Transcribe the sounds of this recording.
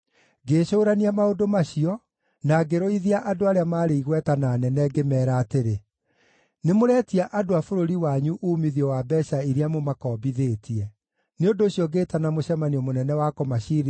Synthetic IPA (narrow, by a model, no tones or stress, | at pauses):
ɡeːʃoːɾaniamaodomaɕiɔ | naːɡeɾɔiðiaʔadoaɾeamaːɾeiɣwɛtanaːnɛnɛɡemɛːɾaːteɾe | nemoɾɛːtiaʔadoafoɾoɾiwaɲuʔuːmiðiɔwabɛʃaiɾeamomakɔːbiðeːtʰiɛ | neondoːɕiɔɡeːtanamoɕɛmaniɔmonɛnɛwakɔmaɕiːɾ